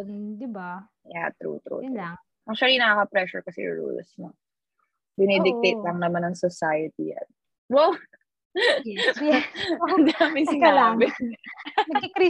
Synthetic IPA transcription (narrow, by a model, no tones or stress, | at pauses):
d̪ɪba | jat̪ɾṵt̪ɾṵ | ʔɐŋʃɐlinɐɐkɐpɾɛʃʊɹkɐsɛ̰j̰ɹṵlsnɐ | bɪnɛd̪ɪk̚t̪et̪̚lɐŋnɐmanɐŋsɔsajɐt̪ḭjɐ̰t̪̚ | wɐw | ɐnd̪aːmɪsɪkalaːmɛɲɐkɾi